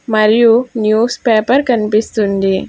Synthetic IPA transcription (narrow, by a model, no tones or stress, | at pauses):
mɐɾjunjuːspeːpɐɾkɐnpist̪und̪i